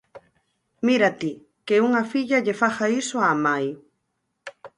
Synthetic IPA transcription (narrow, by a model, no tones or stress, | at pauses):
miɾat̪i | keuŋafiʎaʎefaxaisoamaj